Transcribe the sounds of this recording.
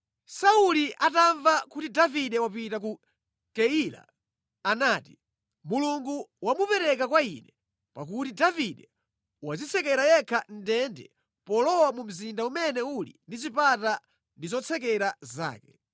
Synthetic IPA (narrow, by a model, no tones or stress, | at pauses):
sauliʔataɱvakutidaviɗɛwapitak̬u | kɛila̰ː | naːti | muluŋɡuwamupɛɾɛkakwainɛ | pak̬utidaviɗɛ | wazit͡sʰɛkɛɾajɛkʰan̩dɛndɛ̰ | pɔlɔwamum̩zindaumɛnɛulḭndit͡ʃipata | ndizɔt͡sʰɛk̬ɛɾaza̰ːkɛ̥